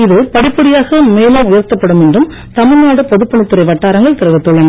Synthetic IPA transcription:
ɪðɯpɐɽɪpːɐɽɪjaːɣɐmeːlamʊjɐɾt̪ːɐpːɐɽɯmɛndrɯm | t̪ɐmɯnaːɽɯpɔðɯpːɐɳɪt̪ːɯɾɐɪʋɐʈːaːɾɐŋɡɐɭt̪ɪɾɐʋɐt̪ːɔɭːɐŋɡɐ

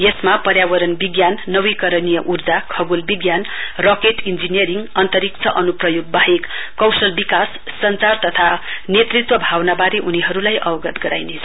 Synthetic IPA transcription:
jesmapʌɾjawʌɾʌnbiɡjanːʌwikʌɾʌnijʌʔurd͡zakʰʌɡulbiɡjanrokeʈind͡zinijʌɾiŋɡʌnt̪ʌɾik̚t͡sʰʌʔʌnuprʌjoɡ̚baɦek | kːʌwsʌlbikasː | ʌnt͡sart̪ʌt̪ʰanet̪rit̪wʌbʱawnabaɾeʔuniɦʌɾulajʔʌwʌɡʌt̪ɡʌɾa̰jnet͡sʰʌ̥

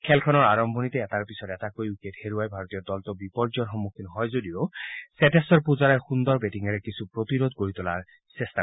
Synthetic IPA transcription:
kʰɛlkʰɔnɔɹaɹɔmbʱɔnit̪ɛɛtaɹpisɔtɛtakojuketheɹuajbʱaɹot̪ijɔdɔltɔbipɔɹzɔnxɔmukʰinɦɔjzodiosɛtesɔɹpuzaɹajxund̪ɔɹbetiŋɛɹɛkisʰupɹot̪iɾod̪̚koɹit̪ɔla̰ɹ | sɛsta

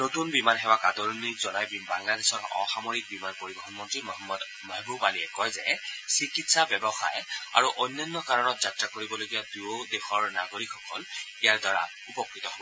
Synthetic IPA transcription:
notunbimanɦɛwakadɔɹnizɔnajbibaŋladesɔɹɔ̰xamɔɹik̚bimanpoɹibɔxɔnmɔntɹimɔɔmːɔd | mabubaliɛkɔjzɛsikitsabɛbɔxa̰ja̰ɹuʔɔjnːanːɔkaɹɔnɔtzatɹakoɹibɔloɡijaduodexɔɹnaɡoɹikʰɔkɔlijaɹdaɹa̰ | upɔkɹitɔɦɔb

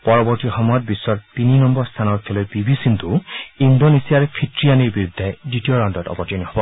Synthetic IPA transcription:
pɔɹɔbɔɹt̪ixɔmɔjɔt̪̚bisːɔɹt̪ininɔmbɔɹst̪ʰanɔɾkʰelɔjpibisint̪uindonesiaɹkʰitɹijaniɹbiɾud̪ʱːeditioɾandɔtɔ̰pɔɾtiɔniɔbɔ

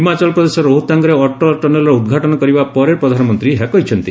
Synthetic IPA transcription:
ɦimat͡ʃɔlpɾɔd̪esɔɾoɦut̪aŋɡɔɾeɔʈɔʈɔnelɔɾɔud̪ɡʱaʈɔnɔkɔɾibapɔɾepɾɔd̪ʱanɔmɔnt̪ɾiɦekɔɦit͡ʃʰɔnt̪i

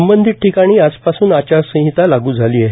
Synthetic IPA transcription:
əmbənd̪ʱiːʈ̚ʈʰikaɽ̃iːad͡zpasuːnat͡ɕaɾsə̃ɦit̪alaɡuːd͡zʱaliːje

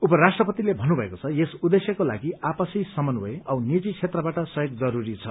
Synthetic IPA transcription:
upʌrasʈrʌpʌt̪ilebʱʌnːubʱʌekot͡sʰʌjesud̪esjʌkola̰ɡiapʌsisʌmʌnboeʌwnid͡zit͡sʰet̪rʌbaʈʌsʌjoɡ̚d͡zʌɾuɾit͡sʰʌ

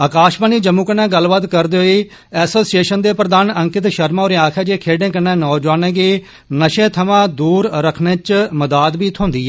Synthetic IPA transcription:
aːkaːʃbəːniːd͡ʒəmũːkənːɛ̃ːɡəlːbət̪kəɾd̪eːɦoiː | ɛːsoːsieːʃənd̪eːpɾəd̪aːnəŋkɪt̪ʃəɾmãːoːɾẽːaːkʰɛːd͡ʒeːkʰeːɖẽːkənːɛ̃ːnɔːd͡ʒwaːnẽːɡiː | nəʃẽːt̪ʰəmãːd̪uːɾɾəkʰnẽːt͡ʃməd̪aːd̪biːt̪ʰõːnd̪iːɛː

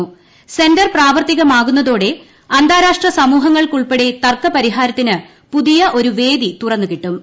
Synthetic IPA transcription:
u | se̞ndɐrpraːʋɐrt̪iɣɐmaːɣun̪ːɐðo̞ːɽe̞ | ɐnd̪ʱaːɾaːʂʈrɐsɐmuːɦɐŋːɐɭkuɭpeɽet̪ɐrkɐpɐɾiɦaːɾɐt̪ːinɨ | puðijɐʔo̞ɾuʋe̞ːd̪it̪urɐnːukiʈːum

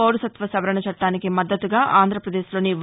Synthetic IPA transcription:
oːɾusɐt̪ʋɐsɐʋɐɾɐɳɐt͡ʃɐʈːaːnikimɐd̪ːɐt̪uɡaːʔaːnd̪ʱɾɐpɾɐd̪eːʃlo̞ːniʋ

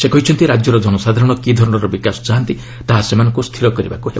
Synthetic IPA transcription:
sekɔɦit͡ʃʰɔnt̪iɾad͡ʒjɔɾɔd̪ʱɔnɔsad̪ʱaɾɔɽ̃ɔkid̪ʱɔɾɔɽ̃ɔɾɔbikasɔ̥d͡ʒaɦnt̪i | t̪aɦasemanɔŋkust̪ʰiɾɔkɔɾiba̰kuɦeb

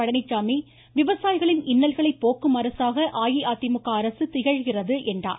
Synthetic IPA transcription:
ɐɽɐnɪt͡ʃːaːmi | ʋɪʋɐsaːjɪɣɐɭɪnɪnːɐlɣɐɭɐɪpːoːkːɯmɐɾɐsaːɣɐʔaːjiaːt̪ɪmɯkːaːɾɐsɯt̪ɪɣɐɻɣɪrɐðɯʔɛndra̰ː

